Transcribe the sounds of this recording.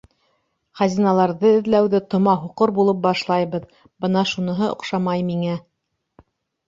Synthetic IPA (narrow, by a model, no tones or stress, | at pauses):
χæzʲinɑlˠɑɾðɤɘ̆ðlæwðɘt̪ŏmɑɦuqoɾbulˠɤp̚bɑʃlˠɑjβɤð | b̥ɤnɑʃunɤ̆ɦɤŏ̰qʃɑmɑjmiŋæ